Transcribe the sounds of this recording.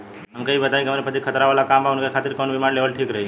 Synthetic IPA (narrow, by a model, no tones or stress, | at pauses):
ɦəmkeibət̪ajĩkiɦəmaɾepət̪ikʰət̪ɾaʋalakambaʊnkekʰat̪ɪɾkɔnbimanleʋəlʈʰiːkɾəɦi